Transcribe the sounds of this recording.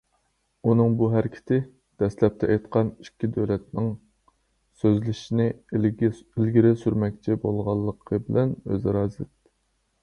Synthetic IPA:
unɨŋbuɦæɾkʲʰɪ̥t̪ʰɪ | d̪̥ɛslɛp̚t̪ʰɛʔɛjt̪qʰɑnikʲʰːid̪ølɛt̪̚nɪŋ | søzlɪʃinɪ | ilɡʲɪɾɪsyɾmɛk̚ʲt͡ʃʰibolˠʁɑlˠːəqʰəbɪlɛnø̰zɑɾɑːzɨt̪

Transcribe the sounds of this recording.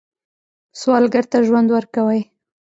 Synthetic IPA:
swɑlɡaɾt̪aʒwand̪wəɾkawəj

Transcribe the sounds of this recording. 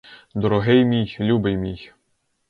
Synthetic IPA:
d̪ɔɾɔɦɪjmʲijlʲubejmʲij

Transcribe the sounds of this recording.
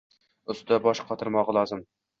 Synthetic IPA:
ʊst̪d̪abɒʃqʰɒt̪ʰɨɾmɒʁlˠɒzɪm

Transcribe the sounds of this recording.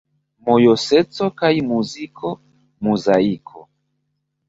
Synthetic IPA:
mɔjɔsɛt͡sɔkaimuzikʰɔ | muzaikʰɔ

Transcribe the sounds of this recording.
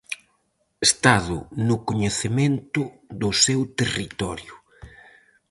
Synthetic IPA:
est̪aðʊ̰nʊkoɲeθemẽnt̪ʊðʊsewt̪erit̪ɔɾjʊ

